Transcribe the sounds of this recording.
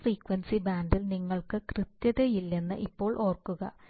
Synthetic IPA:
friːkʋɐnsibaːnɖilniŋːɐɭkɨkrɨt̪jɐðejilːe̞nːɨ̰ʔipːo̞ːɭʔo̞ːrkːuɣɐ̰

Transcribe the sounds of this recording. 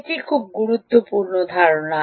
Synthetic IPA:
tikʰub̚ɡuɾut̪ːopuɾnod̪ʱaɾona

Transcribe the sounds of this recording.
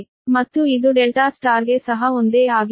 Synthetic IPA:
mɐt̪ːuid̪uɖelʈaːsʈaːɾɡesɐɦɐond̪eːaːɡ

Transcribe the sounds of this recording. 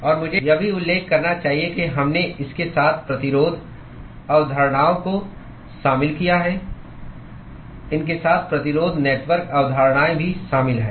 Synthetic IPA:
ɔːɾmʊd͡ʒʱejɐbʱiʊlːeːkːɐɾnat͡ʃaːɦiekeɦɐmneɪskesaːt̪ʰpɾɐt̪ɪɾoːd̪ʱ | ɐʋd̪ʱəɾɽ̃aːõko | ʃaːmɪlkijaɦɛ | ɪnkesaːt̪ʰpɾɐt̪ɪɾoːd̪ʱneːʈʋəɾkɐʋd̪ʱaɾɽ̃aːebʱiʃaːmɪlɦɛː

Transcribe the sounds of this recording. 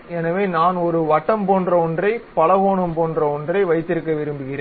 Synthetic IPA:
ɛnɐʋeːnaːnɔɾɯʋɐʈːɐmpoːndrɐɔndrɐɪpɐlɐʋoːɳɯmpoːndrɐɔndrɐɪʋɐɪt̪ːɪɾɯkːɐʋɪɾɯmbɯɣɪreː

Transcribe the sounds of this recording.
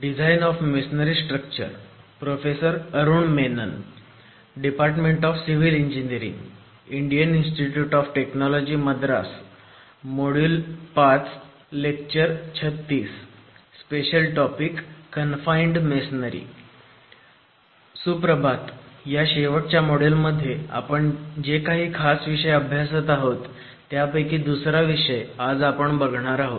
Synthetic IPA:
ɖid͡zʱainɔfmesnəɾisʈɾəkt͡ɕə̰ɾ | pɾofesəɾəɾuːɳmenə̰n | ɖipaɾʈmeɳʈɔfsiʋiliɲd͡ʑiniəɾḭ̃ŋɡ | iɳɖijəninsʈiʈjuːʈɔfʈeknɔlɔd͡ʑiːməd̪ɾa̰s | moɽulpat͡s | lek̚t͡ɕəɾt͡ɕʰət̪ːiːsː | peɕəlʈɔpikːənfaiɳɖmesnəɾḭː | supɾəbat̪jaɕeʋəʈ̚t͡ɕjamoɽelməd̪ʱːjea̰pəɳd͡ʑekaɦiːkʰasʋiʂəjəbʱjasət̪aɦot̪ː | japəjkiːd̪usɾaʋiʂəjad͡zapəɳbəɡʱɳ̃aɾaɦot̪

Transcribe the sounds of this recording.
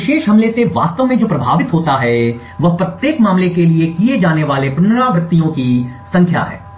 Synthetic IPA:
ɪʃeːʃɦɐmleseʋa̰ːst̪əʋmẽd͡ʒoːpɾɐbʱa̰ːʋɪt̪ɦoːt̪aɦɛ | ʋɐɦpɾɐt̪jeːkmaːmlekeliekied͡ʒaːneʋaːlepʊnəɾaːɡɾɪt̪ːijõkisɐ̃ŋkʰja̰ɦɛ̰ː

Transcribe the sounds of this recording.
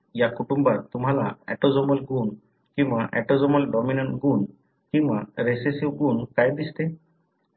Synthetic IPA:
jakuʈumbaɾt̪umɦalaɛ̰ʈɔd͡ʒɔmɔlɡun | kĩbaʔɛ̰ʈɔd͡ʒɔmɔlɖɔmineɳʈɡun | kĩwbaɾesesiwɡunkajd̪ist̪e

